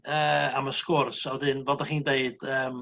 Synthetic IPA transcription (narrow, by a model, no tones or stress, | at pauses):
əːaməskʊrsɔdɨnvɔdaχiːndeɨd̥əːm